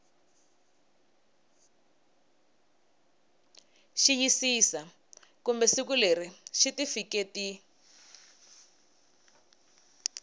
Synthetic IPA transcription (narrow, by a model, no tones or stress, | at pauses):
ʃijisisa | kumbɛsikuleriʃitifiketi